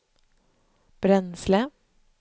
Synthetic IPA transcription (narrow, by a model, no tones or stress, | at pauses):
b̥ɾɛnslə